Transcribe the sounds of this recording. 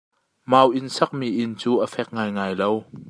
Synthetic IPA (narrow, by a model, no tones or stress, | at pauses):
maːwʔɪnsɐk̚miʔɪnt͡suːʔəfɛk̚ŋaːjŋaːjlow